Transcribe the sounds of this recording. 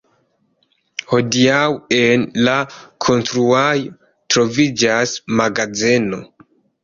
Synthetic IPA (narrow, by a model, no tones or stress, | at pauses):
ho̞diawenlakʰo̞nstɾuajo | tɾo̞vid͡ʒasmaɡazeno̞̰